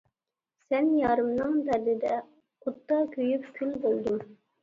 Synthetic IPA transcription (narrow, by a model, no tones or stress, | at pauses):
sɛnjɑːɾɨmnɨŋd̪æd̪ɪd̪ɛ | qʰʊt̪ːɑkʲʰyjypkʲʰylbolˠd̪um